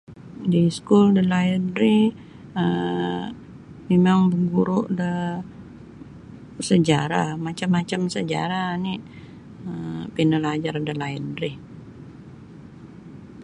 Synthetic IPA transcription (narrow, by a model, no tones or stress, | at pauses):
diskuldəlajəndɾi | ə | memaŋbəɡuɾʊʔdə | səd͡ʒaɾamat͡ʃamːat͡ʃamsəd͡ʒa̰ɾaniʔ | əpinəlad͡ʒardəlajəndɾi